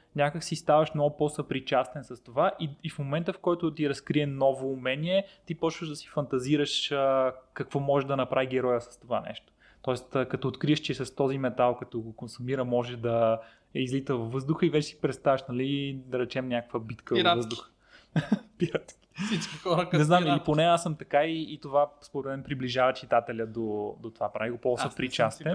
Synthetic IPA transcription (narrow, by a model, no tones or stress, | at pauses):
nʲakəksist̪avɐʃmnɔɡʊposəpɾit͡ʃast̪ɛnsɐst̪ovaʔiifmomɛnt̪əfkɔjt̪ʊt̪iɾɐskɾiɛnɔvoːmɛniɛt̪ipɔt͡ʃvəʒd̪ɐsi̥fɐnt̪ɐziɾəʃəkɐkvɔmɔʒɛʒd̪ɐnɐpɾʔaviɡɛɾɔjəsɐ̥st̪ova̰nɛ̰ʃt̪o̥ | t̪ɔɛst̪ːkɐt̪ɔːt̪kɾiəʃt͡ʃɛsɐst̪ɔzimɛt̪alˠkɐt̪ɔɡokonsumiɾəmɔʒɛd̪ɐ | ɛizlit̪əvɐvːɤzd̪uxəivɛt͡ʃɛsi̥pɾɛt̪st̪avəʃnɐlid̪ɐɾɛt͡ʃɛmnʲakəkvəbit̪kəvɾvəzd̪ʊxə̥ | piɾat̪ksit͡ʃkixɔɾnɛznamiliponɛasəmt̪ɐkaiːt̪ovaspovɾɛt̪mɛnpɾibliʒavɐt͡ʃit̪at̪ɛlʲəd̪od̪ot̪ovapɾa̰viɡopɔsɐpɾit͡ʃast̪ɛ